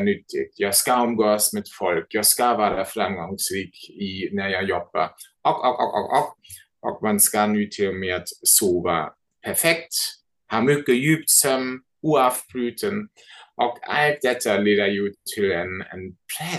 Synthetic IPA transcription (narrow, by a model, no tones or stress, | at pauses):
nʏt̪ʰːɪ̰ɡ̚jɑɪskaɔmɡoːsmed̪̥fɔlkjɑɪskavæːɾafɾamɡɔŋsɾiːkinæjaɪjɔb̥ə̰ʔɔkɔkɔ̰kɔ̰kɔk̚ | ʔɔ̰k̚manskanʉːt̪ʰɪlmeat̪soːva̰ | pʰæfɛk̚t̪ | hɑːmʏkːəjʉːpt̪sɔm | uːavb̥ɾʉːt̪ʰən | ʔɔka̰lt̪̚d̪̥ɛt̪ʰəleːd̪əjut̪ʰɪlɛnɛ̰npʰɾɛ